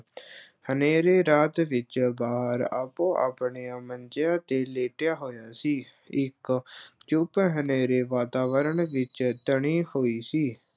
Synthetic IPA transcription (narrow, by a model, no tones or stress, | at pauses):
həneːɾeːɾaːt̪ʋɪt͡ʃbaːɦəɾa̰ːpõːʔa̰ːpɳeːaːmənd͡ʒɪjaːt̪eːleːʈejaːɦoːjaːsiː | ɪkt͡ʃʊpɦəneːɾeːʋaːt̪aːʋəɾəɳʋɪt͡ʃt̪əɳ̃iːhoːiːsiː